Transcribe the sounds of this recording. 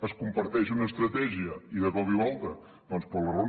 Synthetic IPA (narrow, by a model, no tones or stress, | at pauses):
əskumpəɾt̪ɛʃunəːst̪ɾət̪ɛʒiəiðəkɔβiualˠt̪ə | d̪ɔnspələron